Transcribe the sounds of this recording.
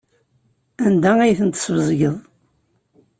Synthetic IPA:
ænd̪ææjθənt̪ə̥svəzˤɡəðˤ

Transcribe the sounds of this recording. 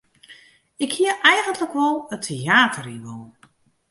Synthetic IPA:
ɪkhiəʔɛjɣəntʰləkʋɔlˠətʰeaːtʰəriʋɔlˠ

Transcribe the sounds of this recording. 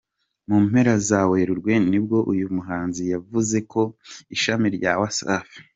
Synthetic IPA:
muːm̥he̞ɾazaweːɾuɾɡwe̞nib̚ɡo̞ʔujumuɦaːnzijavuze̞ko̞iʃamiɾɟawasa̰fi̥

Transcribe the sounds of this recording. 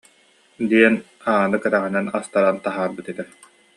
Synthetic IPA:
d̪iɛn | aːnɯkɛɾaʁinɛnast̪aɾant̪aɦaːɾbɯt̪it̪ɛ

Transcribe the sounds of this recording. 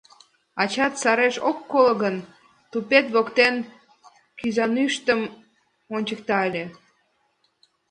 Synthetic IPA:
ɑt͡ɕɑt̪sɑɾeʃokːolɤɣən | t̪upet̪βokt̪en | kyzɑnyʃt̪əm | onʲt͡ɕək̚t̪ɑəlʲe

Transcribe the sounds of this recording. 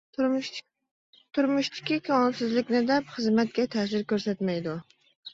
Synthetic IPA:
t̪ʰʊɾmʊʃt̪ʰɪ̥kʲɪkʲʰawɒnsɪzlɪkʲnɪd̪apχɨzmat̪̚kʲat̪ʰasɪɾkʲɵɾsat̪majd̪ʊ

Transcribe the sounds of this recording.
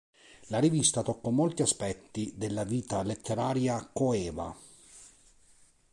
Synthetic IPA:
larivist̪at̪ɔkːɔmolt̪iaspɛt̪ːid̪elːaviːt̪alet̪ʰːeɾaːɾjakoɛːva̰

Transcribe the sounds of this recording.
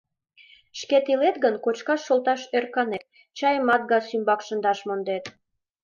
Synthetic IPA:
ʃket̪ilet̪ɡənkot͡ɕkɑʃːolt̪ɑʃørkɑnet̪̚ | t͡ɕɑjəmɑt̪̚ɡɑsymbɑkʃənd̪ɑʃmond̪et̪

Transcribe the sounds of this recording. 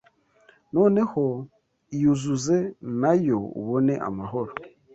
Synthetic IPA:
no̞ːne̞ho | ijuzuzenajo̞ṵβone̞ʔa̰maɦo̞ɾo

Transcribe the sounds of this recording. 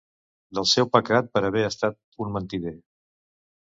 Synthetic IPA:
d̪əlˠsɛwpəkɾat̪̚pəɾəβɛəst̪at̪̚ | unmənt̪iðe

